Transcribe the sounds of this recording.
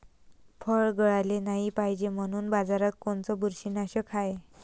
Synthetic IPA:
fʰəɭɡəɭajlenaɦipaɦid͡ʑem̤əɽ̃uːnbad͡zaɾat̪̚koɳt͡sɔbuɾɕinaɕəkʰaj

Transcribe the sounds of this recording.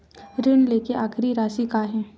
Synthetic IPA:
ɾɪnleːkeʔaːkʰɾiɾaːsikaɦɛ̃ː

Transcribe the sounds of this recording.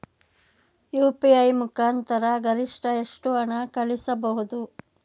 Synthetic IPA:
juːpiɐjmukʰaːnt̪ɐɾɐɡɐɾiʂʈɐeʂʈuɐɳɐkɐɭisɐbɐɦud̪u

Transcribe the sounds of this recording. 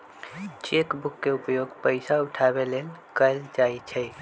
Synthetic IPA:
t͡ʃekbukːeʊpjoːɡpəɪsaʊʈʰabeleːlkəld͡ʒait͡ʃʰɛ

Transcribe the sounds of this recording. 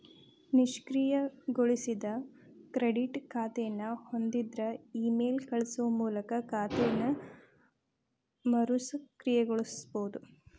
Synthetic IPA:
niʂkɾijɐɡoɭisid̪ɐ | kɾeɖiʈkʰaːt̪ɛjɐnːɐho̞nd̪id̪ɾɐiːmeːlkɐɭisuʋɐmuːlɐkɐkaːt̪ɛjɐnːɐ | mɐɾusɐkɾijɛɡoɭusboːd̪u

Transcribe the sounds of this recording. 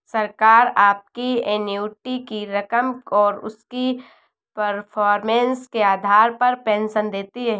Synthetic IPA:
sɐɾkaːɾaːp̚kienjuːʈikiɾɐkəmɔːɾʊ̰ski | pɐɾpʰɔːɾmẽːnskeaːd̪ʱaːɾpɐɾpɛ̃ːnʃənd̪eːt̪iɦɛ

